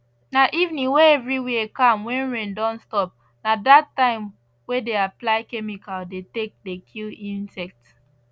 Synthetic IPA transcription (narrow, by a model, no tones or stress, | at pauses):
naʔivnĩweɛvɹiwikãmwɛ̃nɹẽndɔ̃nstɔp̚ | nadatːãɪ̃m | wedeaplaɪkɛmikaldetek̚dekʰilĩnsɛk̚t